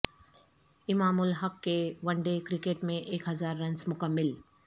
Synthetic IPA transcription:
ɪmaːmʊlɦɐkːeʋɐ̃ɳɖekɾɪkeːʈmẽʔeːkɦɐzaːɾːɐ̃nsmʊkəmːɪl

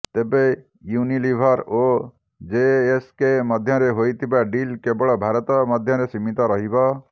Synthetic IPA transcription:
t̪ebe | junilibʱɔɾo | d͡ʒeːskemɔd̪ʱjɔɾeɦojt̪ʰibaɖilkebɔɭɔbʱaɾɔt̪ɔmɔd̪ʱjɔɾesimit̪ɔɾɔɦibɔ

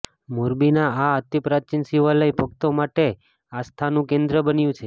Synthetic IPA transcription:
muɾbinaaət̪ipɾat͡ʃinsiʋələjbʱəɡt̪omaʈe | ast̪ʰanũkẽnd̪ɾəbənjũt͡ʃʰe

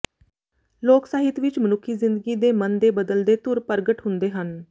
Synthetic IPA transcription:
loːksaːɦɪt̪ʋɪt͡ʃmənʊkʰːiːzɪnd̪əɡiːd̪eːmənd̪eːbəd̪əld̪eːt̪ʊɾpəɾɡəʈɦʊ̃nd̪eːɦən

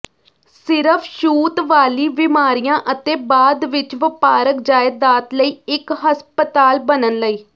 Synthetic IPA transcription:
sɪɾəpʰʃuːt̪ʋaːliːʋɪmaːɾijãːʔət̪eːbaːd̪ʋɪt͡ʃʋəpaːɾəkd͡ʒaːɪd̪aːt̪ləiːɪkɦəspət̪aːlbənənləiː

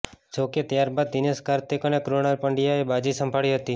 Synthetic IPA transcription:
d͡ʒoket̪jaɾbad̪ːineskaɾt̪ikənekɾoñalpəɳɖijaebad͡ʒisəmbʱaɭiɦət̪i

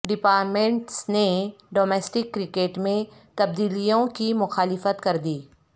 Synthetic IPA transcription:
ɖɪpaːɾʈmẽɳʈsneɖoːmɛːsʈɪkːɾɪkeːʈmẽt̪ɐbd̪iːlijõkimʊxaːlɪfət̪kɐɾd̪iː

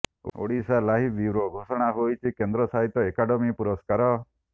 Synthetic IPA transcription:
o̰ɽisalaɦib̪iʋɾoɡʱosɔɽ̃aɦojt͡ʃʰikend̪ɾɔsaɦit̪ːɔekaɖɔmipuɾɔskaɾɔ

